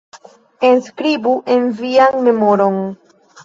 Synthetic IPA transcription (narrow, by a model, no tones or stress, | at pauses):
e̞nskɾibuʔe̞nvianme̞mo̞ɾo̞n